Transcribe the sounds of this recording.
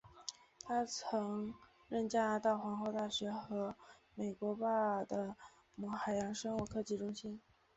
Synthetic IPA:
t̪ʰa˥t͡sʰɤ˧˥ŋ | ɻə˥˩nt͡ɕja˥na˧˥t̪ɑ˥˩ʊxwɑ˧˥ŋxo˥˧ʊt̪a˥˩ɕɥɛ˧˥xɤ˧˥me˨˩ɪkwɔ˧˥pa˥˩d̪ə˩ | mu˨˩xa˨˩ɪjɑ˧˥ŋʂɤ˥nu˥˩kʰɤ˥˧t͡ɕi˥˩ʈ͡ʂʊ˥ŋɕi˥n

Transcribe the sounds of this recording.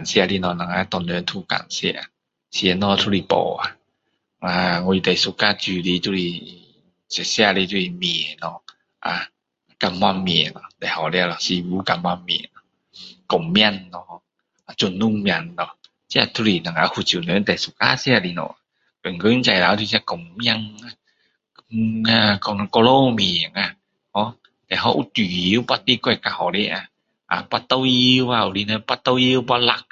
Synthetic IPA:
a˨nsi˧a˧li˧nɔ˧na˨˧ŋa˧˦t̪ɔ˧˨nɯ˧˦nt̪ʰu˧˩ka̰˨˧˩nsḭ˧ʔa̰˨ | si˧nɔ˧t̪ʰu˧li˧pɔ̰ː˧˩a̰˧ | a˧ŋu˧i˧t̪ɛ˨˩su˧ka˧t͡ɕu˧li˧˦tu˧li˧˩ | se˧si˧a˧˨li˧˦t͡ɕu˧i˧mi˧˩nɔ˧ | ʔa̰˧ | ka˧mwa˧˩mːi˧˩˨nɔ˧d̪ɛ˨˩ha˨˩wlɛ˧la˧˩si˧buː˧˦ka˧˩mwa˧˩mːḭ˧˨nɔ˧ | kɔ˨˩mmjnːɔ˧ | a˨t͡ɕu˨˧˨nːu˧˨ŋm˧˩ndɔ˨ | si˧˦a˧˨t̪ʰu˧ɾi˧˨˩na˨ŋa˧˦hu˧˩t͡ɕi˨nɔ˨˦nt̪ɛ˨su˨˧˨ka̰ː˧˥˨si˧a˧˨di˧nɔ̰˧˨ | pe˨nkɔ˧˦˧nt͡ɕa˧˨jla˧˦t̪ʰi˧sa˧kɔ˨˩mːi˧a˧ŋa˧ | a˧kn˧kɔ˧lo˧miː˨a˨ŋa˧˩ | hɔ˧˦ | t̪ɛ˨ɦa˧wʔu˧t̪i˨i˨˧˦pa˧t̪̚i˧kɔ˧˨ka˧ha˨˩wlɛ˧ʔa˧ | ʔa̰˨˧˨pa˧t̪a˧wi˧wa˧˨u˧˨li˧nɔ˧pa˧t̪a˧wi˧wpa˧la˧˩k̚

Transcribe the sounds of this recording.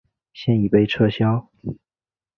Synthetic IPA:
ɕjɛ˥˧ni˨˩pe˥˧ɪʈ͡ʂʰɤ˥ɕjɑ˥ʊ

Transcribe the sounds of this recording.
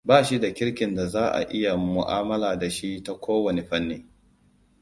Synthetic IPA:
baː˦˨ʃi˦da˨kʲɪ˦ɽkʲɪ˨nda˨zaː˦ʔa̰˨ʔɪ˦ja˨mʊ˨ʔa̰ː˦mɐ˦laː˨da˨ʃi˦ta˦kʷʰoː˦wɐ˨ne˨ɸɐ˦nːeː˦

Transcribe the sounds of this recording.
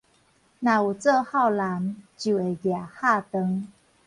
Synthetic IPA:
nã˨u˨˩t͡sə˥˧ha˥˧˨wla˨˦mt͡ɕju˨˩e˨˩ɡja˨˩ha˥˧t̪ə˧˦ŋ

